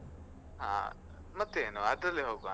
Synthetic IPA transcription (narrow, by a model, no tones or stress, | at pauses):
ɦã̰ | mɐt̪ːeenoɐd̪ɐleɦoːɡa